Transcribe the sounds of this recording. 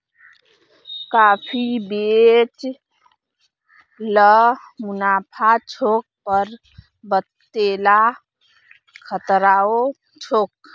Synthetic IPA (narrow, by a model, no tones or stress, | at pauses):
kapʰibet͡ʃ | ləmunapʰat͡ʃʰok̚pəɾ | bət̪ːela | kʰət̪ɾao | t͡ʃʰok̚